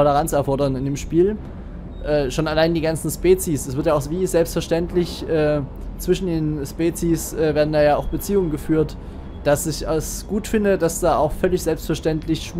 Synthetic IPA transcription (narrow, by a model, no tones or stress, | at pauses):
ɔləʁ̞ant͡sɛɐfɔɐdɐnɪndeːmʃpiːl | ʔɛːʃonalaɪndiːɡant͡sn̩ʃpɛːt͡sisd̥asv̥ɪɐtjaːaʊxviːzɛlpstfɛɐʃtɛntlɪçʔɛː | t͡sv̥ɪʃn̩deːnʃpeːt͡sisʔɛːveːɐdn̩daːjaːaʊxb̥ət͡siːʊŋənɡəfyːɐt | d̥asɪçʔasɡ̥uːtfɪndədasd̥aːʔaʊxfœlɪçz̥ɛlpstfɛɐʃtɛntlɪçʃ